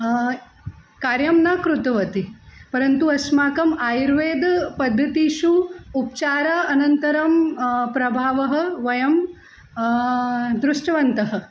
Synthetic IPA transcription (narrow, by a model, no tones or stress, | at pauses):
kaːɾjɐmnaːkɾut̪ɐʋɐt̪ipɐɾɐnt̪uɐsmaːkɐmaːjɾʋeːd̪pɐd̪ʱːɐt̪iʃuup̚t͡ʃaːɾaːɐnɐnt̪ɐɾɐmpɾɐbʱaːʋɐɦɐ̆ʋɐjɐm | d̪ɾuʂʈɐʋɐnt̪ɐɦɐ̆